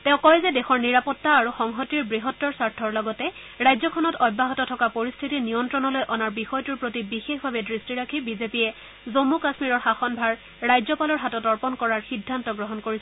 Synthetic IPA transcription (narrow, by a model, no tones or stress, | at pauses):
tɛ̃ʊ̃kɔjzɛdexɔɹniɹapɔtːaːɹuxɔŋɦɔtiɹbɹiɦɔtːɔɹsaɹtʰːɔɹlɔɡɔtɛ | ɹajzɔkʰɔnɔtɔbːaɦɔtɔtʰɔkapoɹistʰitinijɔntɹɔnɔlojʔɔnaɹbixɔjɔtuɹpɹotibixexbʱabɛdɹistiɹakʰibizepijɛ | zomːukasmiɹɔɹxaxɔnbʱaɹː | ajzɔpalɔɹɦatɔtɔɹpɔnkɔɹaɹxidʱːantɔɡɹɔɦɔnkoɹisɛ